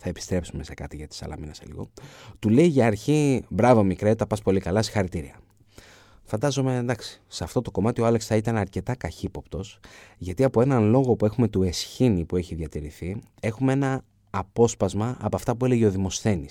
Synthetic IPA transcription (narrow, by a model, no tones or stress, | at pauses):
θɐepi̥st̪ɾe̞psume̞se̞kɐt̪iʝɐt̪i̥sɐ̰lɐ̰minɐselḭɣo̞̰t̪ule̞iʝɐːɾçibɾɐvo̞mikɾet̪ɐpɐspo̞likɐlɐsi̥xɐɾit̪iɾiɐ | fɐnd̪ɐzo̞me̞nd̪ɐksi̥seɐft̪o̞t̪o̞ko̞mɐt̪ioɐleksθɐit̪ɐnɐɾce̞t̪ɐkɐçipo̞pt̪o̞sʝɐt̪iɐpo̞e̞nɐnlo̞ɣo̞pue̞xume̞t̪ue̞sçinipueçiðʝɐt̪iɾiθi | e̞xumee̞nɐː | po̞spɐzmɐʔɐ̰poɐft̪ɐpue̞leʝe̞o̞ðimo̞sθe̞nis